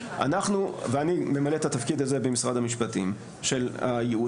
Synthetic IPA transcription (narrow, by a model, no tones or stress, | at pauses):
a̰naχnuveanime̞maletat̪afkid̪aze̞bemisʁad̪amiʃpatim | ʃe̞lajeu